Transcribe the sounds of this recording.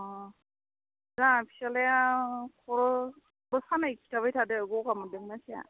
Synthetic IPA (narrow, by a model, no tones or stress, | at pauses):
ɔ̃ | zapʰi̥salɛkʰɔɹɔ | bɯsanajkʰi̥tʰaβajtʰadɛɡɔkamɔdɛŋnasia̰